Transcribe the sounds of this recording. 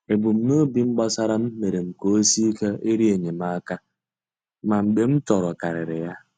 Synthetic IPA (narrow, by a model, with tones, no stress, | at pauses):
e˨bu˨m̩˨me˦o˦bi˨ŋ͡m̩˦ɡ͡bɔ˦sa˦ɾa˦m̩˦me˨ɾe˨ŋ͡m̩˨ko˦si˦ke˦e˦ɾi˦e˨ɲe˨ma˦ka˦ | ma˨ŋ͡m̩˨ɡ͡be˨m̩˦tɔ˨ɾɔ˨ka˨ɾɪ˨ɾɪ˨ja˦